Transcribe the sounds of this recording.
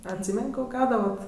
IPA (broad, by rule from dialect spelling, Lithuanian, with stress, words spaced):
ɐtʲˈsʲiːmʲɛnʲ ˈkoː ˈɡɐʊdɐʋɐt